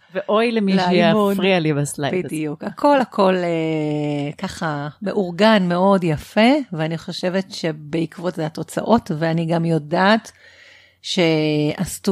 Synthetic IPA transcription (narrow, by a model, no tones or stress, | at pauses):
veʔo̞jlemiʃiafʁialibaslabiddiukakʰo̞lhakʰo̞le | kaχame̞ʔuʁɡanme̞o̞djafe̞veaniχo̞ʃe̞ve̞tʃe̞be̞ikvo̞tzeato̞t͡sa̰ʔo̞tveaniɡamjodat | ʃe̞astu